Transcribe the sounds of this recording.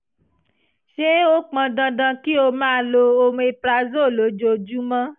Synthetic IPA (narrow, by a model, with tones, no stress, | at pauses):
ʃe˦o˦k͡pã˧dã˧dã˧ki˦o˧mãː˦lo˧o˧m̃˧e˧pla˧zo˦˨lo˨˦d͡ʒo˧˨d͡ʒu˦mã˦